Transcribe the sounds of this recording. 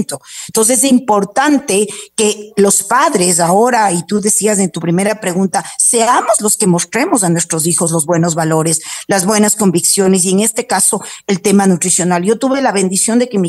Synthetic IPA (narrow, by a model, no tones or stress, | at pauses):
nt̪ont̪ons̬es̬impo̞ɾt̪ant̪e̞ke̞lospaðɾe̞s̬ao̞ɾait̪uðe̞sias̬e̞nt̪upɾime̞ɾapɾe̞ɣunt̪ase̞amo̞zlo̞ske̞mo̞st̪ɾe̞mo̞s̬anwe̞st̪ɾo̞s̬ixo̞zlo̞zβwe̞no̞zβalo̞ɾeslazβwe̞nasko̞mbiksjone̞s̬ie̞ŋe̞st̪e̞kaso̞elt̪e̞manut̪ɾisjo̞nalʝo̞t̪uβelaβe̞nd̪isjo̞nd̪e̞ke̞mi